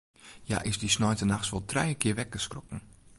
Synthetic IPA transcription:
ja̰ʔɪsdisnɔjtənaxsʋɔlˠtʰrɛjəkʰɪəʋɛk̚ɡ̥əskrokn̩

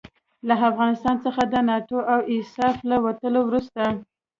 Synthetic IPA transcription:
laafɣɑnɪst̪ɑnt͡səxad̪ənɑʈoʔawɪsɑflawat̪əlowɾust̪a

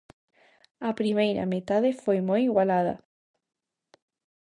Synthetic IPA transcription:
apɾimejɾa̰met̪aðefojmojiɣwalaða̰

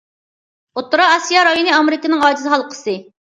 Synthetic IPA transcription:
ot̪ːuɾɑːsijɑɾɑjonɨɑmeɾɪkənɪŋɑːd͡ʒizɦɑlˠqʰə̥sɨ

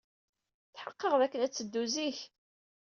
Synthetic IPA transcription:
θħəqːəʁðækːənæt͡sːəd̪ːuziç

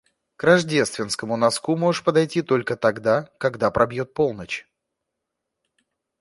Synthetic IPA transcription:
kɾɐʐdʲe̞st̪vʲɪnskəmʊnɐskumoʐɨʂpəd̪ɐjtʲit̪o̞lʲkət̪ɐɡd̪akɐɡd̪apɾɐbjo̞t̪̚po̞lˠnət͡ɕ

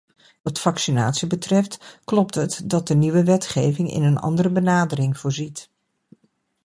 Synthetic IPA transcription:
ʋɑtfɑksina̰ːtsibətrɛftklɔp̚tətdɑt̚dəniʋəʋɛtχejvɪŋɪ̰nənɑ̰ndəɾəbənaːdərɪŋv̥ʊːɹzit

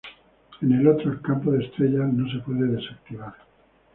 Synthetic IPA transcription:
e̞ne̞lo̞t̪ɾoelkampoðe̞st̪ɾe̞ʎano̞s̬epwe̞ðeðe̞sak̚t̪iβaɾ

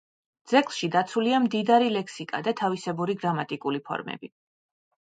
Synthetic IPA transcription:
d̪z̥ɛkʼlˠʃid̪at̪sʰuliamd̪id̪aɾilɛksikʼa̰d̪at̪ʰavisɛbuɾiɡɾamat̪ʼikʼulipʰɔ̰ɾmɛ̰bi

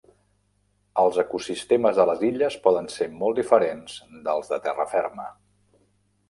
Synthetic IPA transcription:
əlˠzəkusist̪eməzðələziʎəspɔðənsemɔlˠd̪ifəɾenz̥d̪əlˠzðət̪ɛrə̰fɛrmə

